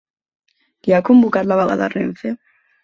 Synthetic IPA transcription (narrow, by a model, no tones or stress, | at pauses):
kiakombukat̪laβaɣa̰ða̰renθe